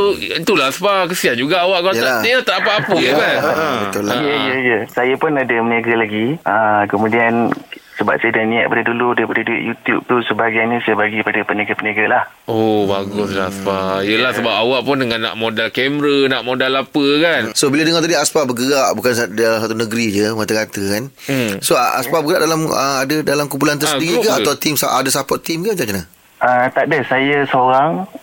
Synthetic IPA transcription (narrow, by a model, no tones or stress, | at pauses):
oit̪ulaaspakəsiand͡ʒuɡaːwaʔkəajəlajəlat̪aapaʔːpəkanbət̪uljəjəjəsajapʊnadəmənaɡəlaɡiəkəmũdiansəba̰p̚sadanĩa̰ʔ̚padaduludaɾipadaduɪ̰ʔjut̪jub̚t̪usəbaɡajnisajabaɡipadapənaɡapənaɡalah | ʔobaɡʊslaaspajəlahsəbapawaʔpʊndəŋãnːa̰ʔmodalkɛmɾənaʔmodalapəkansobiladəŋɔt̪adiaspabəɡəɾaʔbukansdalamsat̪unəɡɾid͡ʒəmat̪akat̪əkan | soaʔa̰spabəɡəɾa̰ʔdalamə̰adədalamkump̬ulant̪ərsədiɾikəaawt̪imsaʔa̰dasapɔt̪ːimkəd͡ʒakənə | ʔət̪aʔdəsajasəoɾaŋ